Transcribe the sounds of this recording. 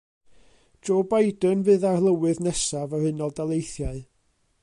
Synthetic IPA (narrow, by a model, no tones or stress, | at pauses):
oːbajdənvɨːðarlˠəwɨðnɛsavərhɨnɔlˠdalˠejθjaɨ